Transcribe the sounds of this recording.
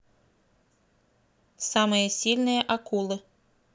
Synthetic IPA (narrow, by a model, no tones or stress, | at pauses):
sɑmɨjəsʲilʲnɨjəʔakulˠɨ